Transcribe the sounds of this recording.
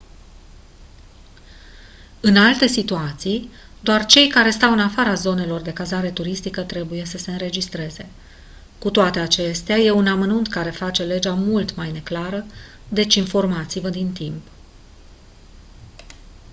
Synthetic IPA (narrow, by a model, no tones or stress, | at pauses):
ɨnalt̪e̞sit̪uat̪sij | d̪oart͡ʃe̞jkaɾe̞st̪awɨnafaɾazo̞ne̞lo̞rd̪e̞kazaɾe̞t̪uɾist̪ikət̪ɾe̞buje̞səse̞ɨnɾe̞d͡ʒist̪ɾe̞ze̞ | kut̪oat̪e̞at͡ʃe̞st̪eaje̞unamənunt̪kaɾe̞fat͡ʃe̞le̞d͡ʒamult̪majne̞klaɾə | d̪e̞t͡ʃʲinfo̞rmat̪sivəd̪int̪imp